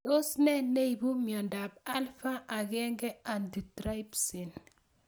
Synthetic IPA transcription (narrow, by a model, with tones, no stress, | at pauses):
o˦snɛ˦ne˦ibu˦mjɔ˨nda˨ba˦lfa˦ʔa˨ɡɛ˦ŋɡɛ˦a˨ndi˨tɾa˦jpsi˨n